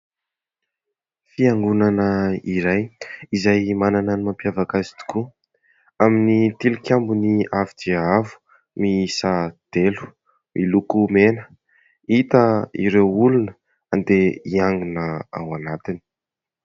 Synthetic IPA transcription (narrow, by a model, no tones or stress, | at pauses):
fiaŋɡunanəiɾajizajmanananimampiavakazi̥t̪u̥ku | aminit̪ilukʲambuniavid͡ʒeavu̥ | misad̪̥elu̥ | mʔilukumenə̥ | it̪əḭɾewulunə | and̪eiaŋɡunəa̰wanat̪ini̥